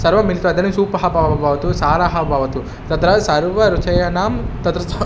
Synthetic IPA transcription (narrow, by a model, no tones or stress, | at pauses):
sɐɾʋɐmilit̪uʋɐd̪ɐnɐsuːpɐɦɐpɐʋɐbʱɐʋɐt̪usaːɾaːɦɐbʱɐʋɐt̪u | t̪ɐt̪ɾɐsɐɾʋɐɾut͡ʃɐjɐnaːmt̪ɐt̪ɾɐ